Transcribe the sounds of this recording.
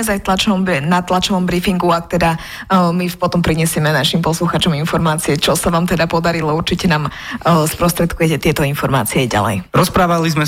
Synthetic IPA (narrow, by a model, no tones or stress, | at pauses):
ɛzajt̪lat͡ʃɔmnat̪lat͡ʃɔʋɔmbɾifiŋɡuak̚t̪ɛd̪a | mipɔt̪ɔmpɾiɲɛsɪɛmɛnaʃimpɔsluxat͡ʃɔminfɔɾmaːt͡siɛt͡ʃɔsaʋaːmt̪ɛd̪apɔd̪aɾilɔuɾt͡ʃicɛnaːmspɾɔst̪ɾɛt̪kujɛcɛt̪ɪɛt̪ɔinfɔɾma̰ːt͡siɛɟa̰lɛ̰jɾɔspɾaːʋalizmɛ